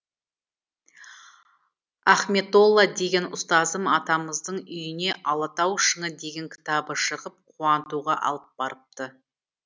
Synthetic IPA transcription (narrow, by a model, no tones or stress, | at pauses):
ɑχme̞t̪o̞lˠːad̪e̞ɡʲe̞nʊst̪ɑzəmɑt̪ɑməzd̪əɴʏjɪne̞ʔɑlˠɑt̪ɑwʃəɴəd̪e̞ɡʲe̞ŋkʲʰɪ̥t̪ɑbəʃəʁəp̚qʰuɑnt̪uʁɑʔɑ̰lˠəp̚b̥ɑɾəp̚t̪ə